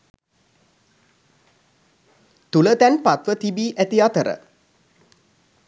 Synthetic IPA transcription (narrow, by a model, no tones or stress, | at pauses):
t̪ulət̪ænpat̪ʋət̪ibiːʔæt̪iɑt̪əɾə̰